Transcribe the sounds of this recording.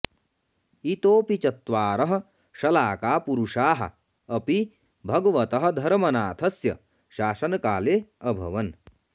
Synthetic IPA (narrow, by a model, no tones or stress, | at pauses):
it̪oːpit͡ʃɐt̪ʋaːɾɐɦɐ̆ | ʃɐlaːkaːpuɾuʂaːɦɐ̰ | ɐpi | bʱɐɡɐʋɐt̪ɐɦɐ̆d̪ʱɐɾmɐnaːt̪ʰɐsjɐ̰ | ʃaːsɐnɐkaːleːɐbʱɐ̰ʋɐn